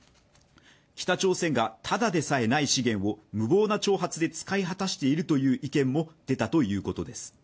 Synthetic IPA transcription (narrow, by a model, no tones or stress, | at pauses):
kʲi̥t̪at͡ɕo̞ːsẽ̞ŋɡat̪ʰad̪ad̪e̞sae̞naiɕiɡẽ̞ɰ̃o̞mɯ̟bo̞ːnat͡ɕo̞ːɦat͡sɨd̪e̞t͡sɨ̥kaiɦat̪aɕi̥t̪e̞iɾɯ̟t̪o̞jɯ̟ːʔikẽ̞mːo̞d̪̥e̞t̪at̪o̞jɯ̟ːko̞t̪o̞d̪e̞sɨ̥